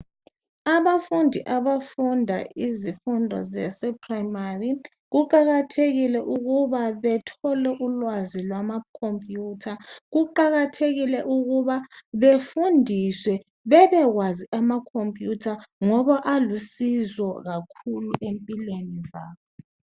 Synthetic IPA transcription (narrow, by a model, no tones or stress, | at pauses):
aβafundʱiʔaβafundʱa̰ʔizifundʱɔ̰zɛ̰sɛpʰrajmari | ɣuǃaɣatʰeɣilɛʔuɣuβaβɛtʰɔlɛʔulwazilwamakʰompʼjuːtʰaɣuǃaɣatʰeɣilɛʔuɣuβaβefundʱiswɛ | βɛβɛɣwaziʔamakʰompʼjutʰaŋɔβaʔalusizɔɣakʰuluʔempʼilwenizaːβɔ